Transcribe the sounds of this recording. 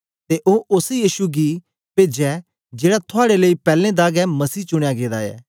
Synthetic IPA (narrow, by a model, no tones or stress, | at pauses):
t̪eːʔoːʔʊsjiːʃuɡiː | peːd͡ʒɛː | d͡ʒeːɽat̪ʰʊaːɽeləiːpɛːlẽːd̪aːɡɛːməsiːt͡ʃʊɽ̃ejaɡeːd̪aːɛ̰ː